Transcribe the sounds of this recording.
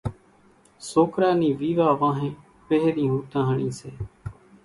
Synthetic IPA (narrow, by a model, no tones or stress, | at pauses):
soːkɾaːniːʋiːʋaːʋãːɦẽː | peɦɾĩːɦũːt̪ãːɦəɳiːseː